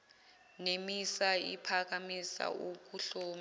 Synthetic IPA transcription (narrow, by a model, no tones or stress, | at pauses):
nemisaḭpʰak̬amisa̰ʔuk̬uɬoːm